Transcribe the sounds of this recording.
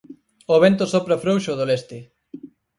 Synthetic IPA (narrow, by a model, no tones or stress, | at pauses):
oβ̞ent̪osɔpɾafɾowʃoðolest̪ɪ